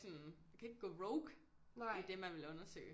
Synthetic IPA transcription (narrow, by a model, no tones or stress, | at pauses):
sɔnjakʰæe̝ɡ̥ɡ̥ɔ̰ːʁɔʊɡ̥ | id̥e̝mænʋe̝lɔ̽nɐsø̰ːɪ